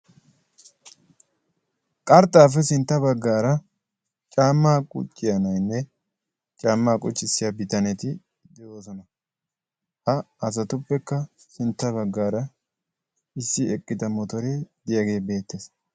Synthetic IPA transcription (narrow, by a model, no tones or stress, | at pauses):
kʼɐɾt̪ʼːaːfɛsɪnt̪ːɐbɐɡːaːɾɐ | t͡ʃʼaːmːaːkʼʊ̰t͡ʃʼːɪjɐnɐjnːɛ | t͡ʃʼaːmːaːkʼʊt͡ʃːɪsːɪjabɪt̪ɐnɛt̪ɪ | d̪ɛʔoːsɔnɐ | hɐɐs̬ɐt̪ʊpːɛkːɐ | sɪnt̪ːɐbɐɡːaːɾɐ | ɪsːɪɛkʼːɪd̪ɐmɔt̪ɔɾed̪ɪjɐɡe̞ːbe̞ːt̪ːeːs